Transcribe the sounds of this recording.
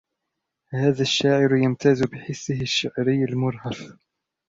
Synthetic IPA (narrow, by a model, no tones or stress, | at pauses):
haːðaʃːaːʕɪɾjamt̪aːzʊbɪħɪsːɪɦɪʃːaʕɾɪjːalmʊɾˤhaf